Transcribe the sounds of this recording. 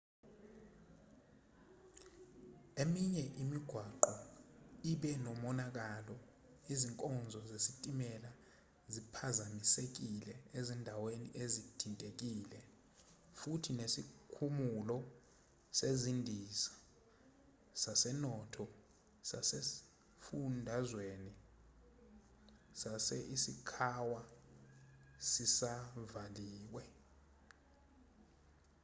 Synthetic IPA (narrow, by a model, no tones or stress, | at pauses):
emiɲɛʔimiɡ̥ʱwaǃɔiɓɛnɔmɔnak̬alɔ | iziŋkʼɔnd͡zʱɔzesitʼimɛla | zipʰazamisek̬ilɛezindʱawenḭʔezid̥ʰʱintʼek̬iːlɛ | futʰinesikʰumulɔ | sezindʱisḁ | sasɛnɔtʰɔ | sa̰se | fundʱazweni | sasɛʔisikʰawa | sisavaliːwɛ